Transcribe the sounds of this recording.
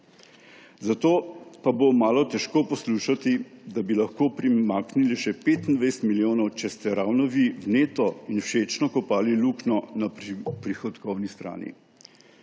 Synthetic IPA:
zat̪oːpabomaːlɔt̪ɛʃkoːpɔsluːʃat̪id̪abilɐxkoːpɾimaːkniliʃɛpeːt̪ind̪ʋajsɛ̥t̪miljoːnɔwt͡ʃɛst̪ɛɾaːwnɔʋiwneːt̪ɔinwʃet͡ʃnɔkɔpaːliluknɔnapɾixɔd̪kɔwnist̪ɾa̰ːnḭ

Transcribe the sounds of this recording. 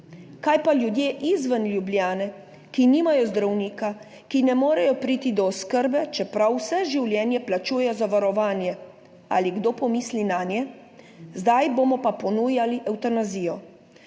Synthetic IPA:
kajpaljud̪jeːʔizʋənlʲjubljaːnɛ | kiniːmajɔzd̪ɾawniːka | kinɛmoːɾɛjɔpɾiːt̪id̪ɔːskəɾbɛt͡ʃɛpɾawsɛʒiwljɛːnjɛplat͡ʃuːjɛjɔzaʋaɾɔʋaːnjɛ | a̰liɡd̪oːpɔmiːslinaːnjɛ | zd̪ajboːmɔpapɔnuːjaliʔɛwt̪anaziːjɔ

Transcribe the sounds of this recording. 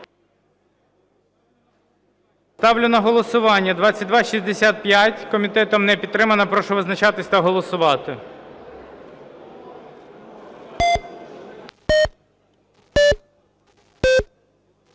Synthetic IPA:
st̪ɑwlʲʊnɐɦɔlˠɔsʊʋɑnʲːɐd̪ʋɑt͡sʲːɐt̚ʲd̪ʋɑʃizʲd̪esʲat̪̚pjatʲkɔmʲit̪ɛt̪ɔmnɛpʲit̪t̪ːɾɪmɐnɐpɾɔʃɔʋɪznɐt͡ʃɑt̪ɪsʲt̪ɐɦɔlˠɔsʊʋɑt̪ɪ

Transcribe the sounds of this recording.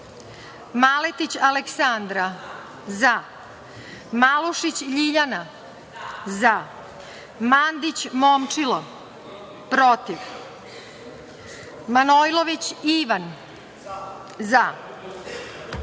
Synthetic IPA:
malet̪it͡ɕaleksand̪ɾa | za | maluʃit͡ɕʎiʎana | za | mand̪it͡ɕmomt͡ʂilo | pɾo̞t̪iʋ | manojlˠoʋit͡ɕiʋan | za

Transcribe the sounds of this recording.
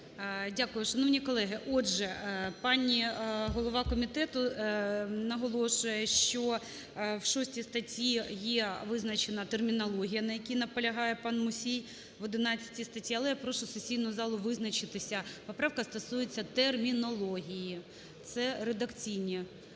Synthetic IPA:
dʲakʊjʊʃɐnɔʋnʲikɔlˠɛɦɪʔɔʒɛpɑnʲiɦɔlˠɔʋɑkɔmʲit̪ɛt̪ʊ | nɐɦɔlˠɔʃʊjɛʃt͡ʃɔ | wʃɔsʲtʲist̪ɐtʲijɛʋɪznɐt͡ʃenɐt̪ermʲinɐlˠɔɦʲijɐnɐjɐkʲinɐpɐlʲɐɦɑjɛpɑnmʊsʲij | ʋɔd̪ɪnɑt͡sʲːɐ̥tʲist̪ɐtʲiɐlˠɛjapɾɔʃʊsesʲijnɔɦʊzɑlˠʊʋɪznɐt͡ʃɪt̪ɪsʲɐpɔpɾɑwkɐst̪ɐsujet͡sʲːɐt̪ermʲinɔlˠɔɦʲiji | t̪sɛɾed̪ɐkt͡sʲijnʲi

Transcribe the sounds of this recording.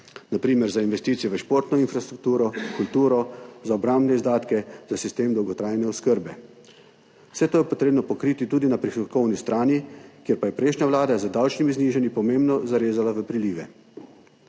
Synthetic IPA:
napɾiːmɛɾzainʋɛst̪iːt̪sijɛʋəʃpoːɾt̪nɔinfɾast̪ɾuk̚t̪uːɾɔkult̪uːɾɔzaɔbɾambnɛizd̪aːt̪kɛzasist̪eːmd̪ɔwɡɔt̪ɾaːjnɛɔskəɾbɛ | sɛt̪oːjɛpɔt̪ɾeːbnɔpɔkɾiːt̪it̪uːd̪inapɾixɔkɔwnist̪ɾʔaːnikjeɾpajɛpɾɛjʃnɲjaʋlaːd̪azəd̪awt͡ʃnimizniːʒanipɔmembnɔzaɾeːzalaʋəpɾiliːʋɛ

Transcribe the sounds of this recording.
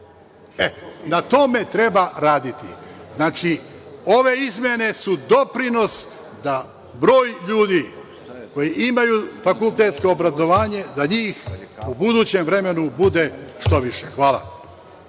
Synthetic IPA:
enat̪o̞me̞t̪ɾe̞baɾaːd̪it̪ḭznaːt͡ʃio̞ʋe̞izmʲje̞ne̞sud̪o̞pɾino̞s | d̪a | bɾo̞ːjʎuːd̪i | ko̞jiʔimajufakulˠt̪eːt̪sko̞obɾazo̞ʋaːɲe̞d̪aɲiːxubud̪uːt͡ɕe̞mʋɾe̞me̞nubud̪e̞ʃt̪o̞ʋiʃexʋaːla̰

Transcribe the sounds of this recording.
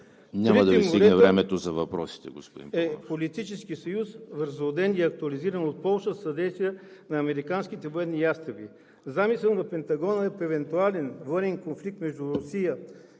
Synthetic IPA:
nʲamiɐd̪ɐɛimst̪iɡdnɛvɾɛmɛt̪ozɐvɐpɾɔ̰si̥t̪ɛɡo̰spod̪ḭmɛppolit̪it͡ʃɛsk̟isɐjusvəɾzod̪ɛniɐk̚t̪uɐliziɾənot̪̚pɔlˠʃəsɐd̪ɛjst̪vijɛnɐːmɛɾikansk̟it̪ɛvoɛd̪nijast̪ɾɐbi | zamisɛlˠnɐpɛnt̪ɐɡɔnəɛpɛvɛnt̪ualɛnvɤnɛnkonflik̚t̪mɛʒd̪uɾʊsijə

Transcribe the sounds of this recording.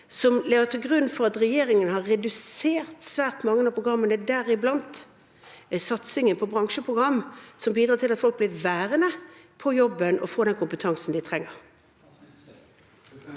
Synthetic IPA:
sɔmlɛːət̪ʰɪlɡʁʉnːfɔʁɑt̪ʁɛjeːʁɪŋənəhɑʁɛd̪ʉseːʁt̪sʋæːʁt̪mɑŋːənɑːpʰʁʊɡʁɑmːənəd̪æːʁɪblɑnt̪ | sɑt̪sɪŋənpʰɔbʁɑŋʂəpʰʁʊɡʁɑmːsɔmbiːd̪ɾɑːt̪ʰɪlɑt̪fɔlk̚b̥lɪʁʋæːʁənəpʰɔjɔbːənʔɔfoːd̪ɛnkʊmpət̪ʰɑŋsn̩d̪ɪt̪ʰʁɛŋːəʁ

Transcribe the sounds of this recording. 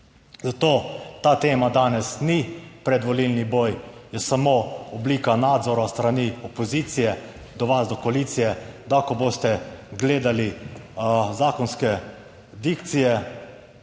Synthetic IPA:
zat̪oːt̪aːt̪eːmad̪aːnɛsnipɾɛd̪ʋɔlilniboːjjɛsamoɔbliːkanaːd̪zɔɾast̪ɾaniɔpɔziːt̪sijɛ | d̪ɔʋazd̪ɔkɔaliːt̪sijɛd̪akɔboːst̪ɛɡleːd̪ali | zaːkɔnskɛ | d̪ikt̪sijɛ

